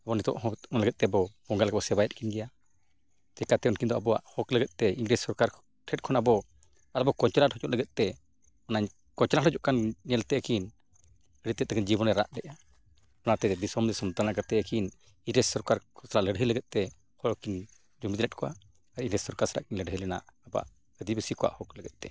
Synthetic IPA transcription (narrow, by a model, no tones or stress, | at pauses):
abɔnɛt̪ɔ̰ʔɦɔ̃ɔnləɡɛt̪̚t̪ɛbɔbɔŋɡalɡɛbɔsɛbajɛt̪̚kinɡɛja | d͡ʒ̪ɛkat̪ɛɔnkind̪ɔabɔwa̰ʔhɔkləɡɛt̪̚t̪ɛiŋɡɾɛssɔɾkaɾ | ʈʰɛt̚kʰɔnabɔ | aɾɔbɔkɔɲt͡ʃɛlathɔt͡ʃɔʔləɡɛt̪̚ˀt̪ɛ | ɔnaɲ | kɔɲt͡ʃlahɾɔd͡ʒɔʔkannɛlt̪ɛəkin | əɽit̪ːɛt̪ːɛkənd͡ʒibɔnɛɾa̰ʔɖɛʔa | ɔnat̪ɛd̪isɔmd̪ɛsɔmt̪anakat̪ɛəkin | iŋɡɾɛssɔɾkaɾkʰɔsaɾaʔləɖɦələɡɛt̪̚t̪ɛ | hɔɾkin | d͡ʒumid̪lɛt̚kɔʔa̰ | aɾiŋɡɾɛssɔɾkaɾsaɾa̰ʔkinləɖɦəjlɛna̰ʔaba̰ʔ | əd̪ibəsikɔwa̰ʔhɔkləɡɛt̪̚t̪ɛ